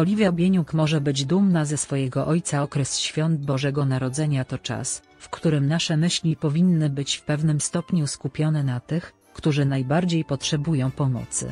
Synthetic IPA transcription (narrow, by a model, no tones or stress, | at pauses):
ɔlʲivʲjabʲjeɲukmɔʐɛbɘd͡ʑd̪umnazɛsfɔjɛɡɔʔɔjt̪saɔkɾɛsɕfʲjɔnd̪̚bɔʐɛɡɔnaɾɔd̪zɛɲat̪ɔt͡ʂa̰s | fkt̪uɾɘmnaʂɛmɘɕlʲipɔvʲinːɘbɘt͡ɕfpɛvnɘmst̪ɔpɲuskupʲjɔnɛnat̪ɘx | kt̪uʐɘnajbaɾd͡ʑejpɔtʂɛbujɔ̃w̃pɔmɔ̰t̪sɘ̰